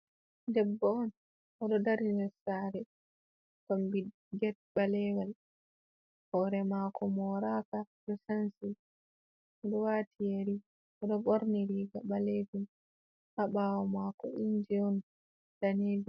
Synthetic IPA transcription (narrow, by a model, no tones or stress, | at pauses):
dɛbːɔɔn | ʔɔɗɔdaɾinɛsaɾɛ | kombi | ɡɛt̚ɓalɛwal | hɔːɾɛmaːkʰɔmɔːɾaka | ɗɔsansi | ɔɗɔwaːtʰijeɾi | ʔɔɗɔɓoɾniliːɡaɓaleːd͡ʒum | ʔaɓawɔmakɔʔind͡ʒiɔn | d̥aneːd͡ʒu